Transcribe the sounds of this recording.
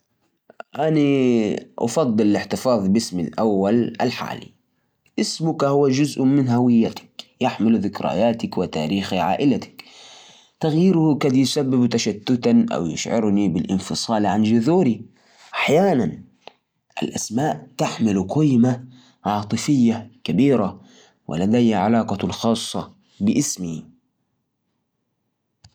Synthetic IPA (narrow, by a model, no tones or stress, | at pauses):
ʔaniʔɑ̰fɑd̪ˤːɨllɪħt̪ɪfɑːðˤbɪsmɪ̰lʔawːala̰lħa̰ːlḭ | ʔɪsmʊkahʊwːad͡ʒʊzʔmɪnɦawɪjːat̪ḁkjɪħmɪlðɪkɾa̰jaːt̪akwɪt̪a̰ːɾiːxiʕa̰ːʔɪlat̪ḁk | t̪aɣjiːɾʊhkaːd̪jsabːɪbt̪aʃat̪ːʊt̪anʔa̰wjʊ̰ʃʕɪ̰ɾnibɪlʔɪ̰nfɨsˤɑːlʕand͡ʒʊðuːɾi | ʔaħjaːnan | ʔa̰lʔasmaːʔt̪aħmɪlqɪjma | ʕɑːt̪ˤɨfɪjːakabiːɾa | wɪ̰lad̪ajhaʕalɑːqɑlxɑːsˤːɑ | bɪʔɪsmi